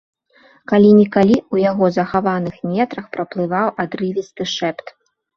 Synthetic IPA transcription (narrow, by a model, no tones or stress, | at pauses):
kalʲinʲikalʲiwjaɣɔzɐxavanɨxmʲɛt̪ɾɐxpɾɐplˠɨvawʔad̪ɾɨvʲist̪ɨʂɛpt̪